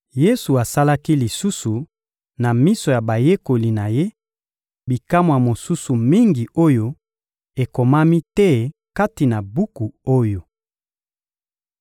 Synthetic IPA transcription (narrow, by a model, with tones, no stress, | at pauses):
je˦su˨a˨sa˦la˦ki˦li˨su˦su˨ | na˨mi˦so˨ja˨ba˨je˦ko˨li˨na˨je˦ | bi˨ka˦mwa˨mo˨su˦su˨mi˦ŋɡi˨ʔo˦jo˦ | e˨ko˨ma˦mi˦tɛ˦ | ka˦ti˨na˨bu˦ku˨o˦jo˨